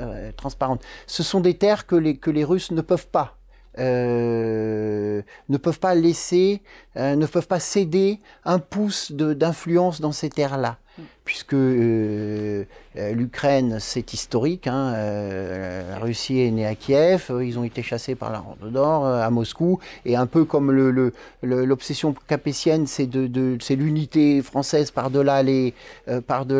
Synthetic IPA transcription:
t̪χɑ̃spaʁɑ̃t̪səsɔ̃d̪et̪ɛʁkəlekəleʁysnəpœvpa | ø | nəpœvpaleseønəvpœvpased̪e | ɛ̃pusd̪əd̪ɛ̃flyɑ̃sd̪ɑ̃set̪ɛʁla | pɥiskə | lykχɛnsɛt̪ist̪ɔʁikɛ̃ø | la̰ʁysiɛneakʲjɛføilzɔ̃et̪eʃasepa̰ʁla̰ʁɑ̰̃d̪d̪ɔʁøamɔskueɛ̃pøkɔmlələləlɔpsɛsjɔ̃kapesjɛnsɛd̪əd̪əsɛlynit̪efχɑ̃sɛzpaʁd̪əlaleøpaʁd̪ə

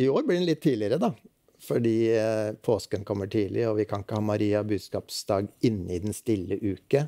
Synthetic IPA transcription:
ɪoːɾblɪɾɛnlɪt̪ʰːiːlɪəɾəd̪ɑ | fɔɖiːpʰoːskənkʰɔmːəʈʰiːlɪɔʋɪkʰɑnɪkːəhɑːmɑɾiːɑbʉːd̪skɑːpsd̪ɑːɡɪnːəɪd̪ɛnst̪ɪlːəʔʉːkə

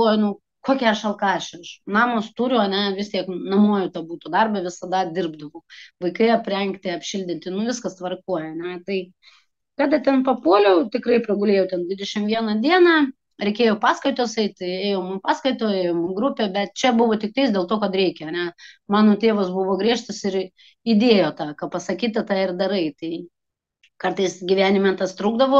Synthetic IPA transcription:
ojnʊ | koːkʲɛɐʃɐlˠkɑːʃʲɐʃnɑːmoːst̪uːɾʲʊɐnʲɛʋʲɪst̪ʲiɛknɐmuɔjʊt̪ɐbuːt̪ʊd̪ɐrbɐʋʲɪsɐd̪ɐd̪ʲɪrbd̪ɐʋɐʊʋɐɪkɐɪɐpʲrʲɛŋkt̪ʲɪɐpʲʃʲɪlʲd̪ʲɪnʲt̪ʲɪnʊʋʲɪskɐst̪ʋɐrkuɔjɛɐnʲɛt̪ɐɪ | kɑːd̪ɐt̪ʲɛnpɐpuɔlʲɛʊt̪ʲɪkrɐɪpʲɾʲɛɡʊlʲeːjɛʊt̪ʲɛnd̪ʲʋʲɪd̪ʲɛʃʲɪmʋʲiɛnɐd̪ʲiɛnɑː | ɾʲɛɪkʲeːjopɑːskɐɪt̪ʲoːsɛɪt̪̚ʲt̪ɪeːjoːmʊmpɑːskɐɪt̪oːeːjoːmʊɡɾʊpʲɛbʲɛt̪̚t͡ʃʲɛbʊʋoːt̪ʲɪk̚t̪ɐɪsdʲeːlˠt̪oːkɐt̪ɾʲɛɪkʲɛɐnʲɛmɑːnoːt̪ʲeːʋoːsbʊʋoːɡɾʲiɛʃt̪ɐsɪɾ | id̪ʲeːjoːt̪ɑːkɐpɐsɐkʲiːt̪ɐt̪ɑːɪrd̪ɐɾɐɪt̪ɐɪ | kɐrt̪ɐɪsɡʲiʋʲæːnʲɪmʲɛt̪ɐst̪ɾuːɡd̪ɐʋoː

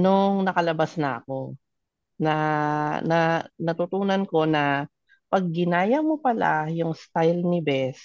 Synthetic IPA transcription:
noŋnɐkɐlɐbasnɐʔɐ̰ko̞ | nɐnɐnɐt̪ut̪uːnɐnko̞nɐ | pɐɡ̚ːɪnaːjɐmopɐla̰jʊŋst̪ajlnɪbɛs

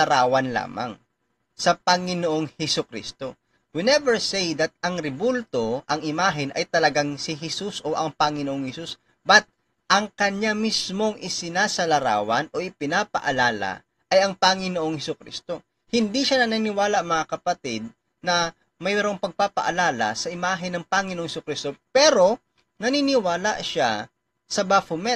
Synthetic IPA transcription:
ɐɾaːwɐnla̰ːma̰ŋ | sɐpɐŋɪnoʔoŋhɛsʊkɾḭst̪o̞ | wɪnɛvɛɹsejd̪ɐt̪̚ɐŋɾɪbult̪o̞ʔɐŋɪmaːɦɪnʔɐ̰jt̪ɐlɐɡaŋsɪɦɛsusʔo̞ʔɐŋpɐŋɪnoʔoŋhɛsus | bɐt̪̚ | ʔɐŋkɐɲamismo̞ŋʔɪsɪnaːsɐlɐɾa̰ːwɐnʔo̞ʔɪpɪnaːpɐ̰ʔɐlaːla̰ | ʔɐjɐŋpaŋɪnoʔoŋhɛsʊkɾḭst̪o̞ | hɪnd̪iʃanɐnanɪwaːlaʔɐŋmɐŋakɐpɐt̪ɪd̪̚ | nɐ | mɐjɾoŋpɐɡ̚papɐ̰ʔɐ̰laːlɐ̰sɐʔɪmaːɦɪnːɐŋpaŋɪnoʔoŋhsʊkɾist̪o̞pɛɾo̞ | nɐninɪwaːla̰ʃa̰ | sɐbafʊmɛ

